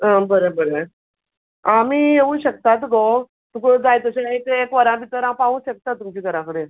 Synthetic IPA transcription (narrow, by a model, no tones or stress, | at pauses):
ɦə̃bəɾebəɾe | amiːeũɕək̚t̪at̪ɡo | t̪ukod͡zajt̪əɕaaɦet̪eekʋəɾãpit̪əɾãpaʋũːɕək̚t̪at̪ːumt͡ɕiːkəɾãkəɽe